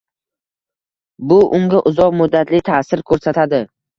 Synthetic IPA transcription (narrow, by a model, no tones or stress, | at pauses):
bʊʔʊmɡʲaʔʊzɒqmʊd̪ːat̪ʰlɪt̪ʰasɪɾkʰɵɾsat̪ʰad̪ɪ